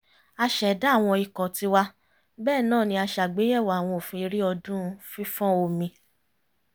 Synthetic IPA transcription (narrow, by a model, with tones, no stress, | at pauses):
a˧ʃɛ˨˦da˨˦˨w̃ɔ̃˧i˨kɔ̃˨ti˧wa˧ | bɛː˦˨nãː˦˨nĩ˧˦a˧ʃa˨ɡ͡be˨˦jɛ˦˨wa˨w̃ɔ̃˧o˨fĩ˧i˧ɾi˦ɔ˧dũ˦˧fĩ˦fɔ̃˦o˧mĩ˧